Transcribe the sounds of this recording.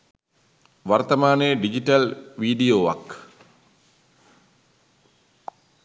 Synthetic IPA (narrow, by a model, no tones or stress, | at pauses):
ʋɐrt̪ɐmaːneɖid͡ʒiʈɐlʋiːɖijoːʋa̰k